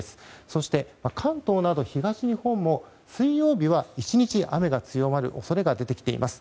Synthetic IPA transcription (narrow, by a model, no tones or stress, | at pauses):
sɨ̥so̞ɕi̥t̪e̞makʰãnt̪o̞ːnad̪o̞çiɡaɕiɲ̟ihõ̞mːo̞ | sɨijo̞ːbʲiβait͡ɕiɲ̟it͡ɕiʔame̞ɡat͡sɨjo̞maɾɯ̟̰ʔo̞so̞ɾe̞ɡad̪e̞t̪e̞kʲi̥t̪e̞̰ḭmʔasɨ̥